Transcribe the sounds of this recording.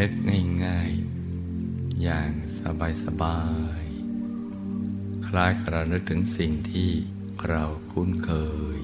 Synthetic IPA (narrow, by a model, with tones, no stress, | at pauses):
nɯ˦˥k̚ŋa˥˩jŋaː˥˩j | jaː˨˩ŋ | sa˧baː˧jsa˧baː˧j | kʰlaː˥˩jkʰa˧ɾa˧nɯ˦˥k̚t̪ʰɯ˩˦ŋsi˨˩ŋt̪ʰiː˥˩ | kʰɾa˧wkʰu˥˩˨nkʰɤː˧j